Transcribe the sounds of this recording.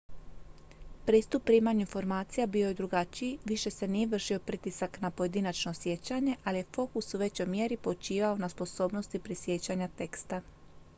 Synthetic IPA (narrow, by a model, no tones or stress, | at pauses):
pɾiːst̪upːɾiːmaɲinfo̞ɾmaːt̪sijabijo̞je̞d̪ɾuɡat͡ɕiʋiʃe̞se̞nijeʋr̩ʃio̞pɾit̪isaknapo̞je̞d̪inat͡ʃno̞sje̞t͡ɕaɲe̞ʔalije̞fo̞kusuʋe̞t͡ɕomje̞ɾipo̞t͡ʃiːʋaonaspo̞so̞ːbno̞st̪ipɾisje̞t͡ɕaɲat̪e̞kst̪a